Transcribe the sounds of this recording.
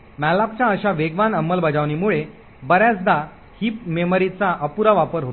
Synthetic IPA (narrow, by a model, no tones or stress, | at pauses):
mɛlak̚t͡ɕjaəɕaʋeɡʋanəmːəlbəd͡zaʋnimuɭe | bəɾjat͡sd̪a | hiːp̚meməɾit͡saʔəpuɾaʋapəɾɦot̪